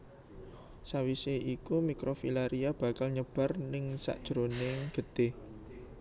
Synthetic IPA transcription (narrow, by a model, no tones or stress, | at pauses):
sawiseʔikumikɾofilaɾiab̥ä̤kalɲəb̥a̤rnɪŋsa̰ʔd̥ʒ̥ɾonɪŋɡ̥ə̤t̪e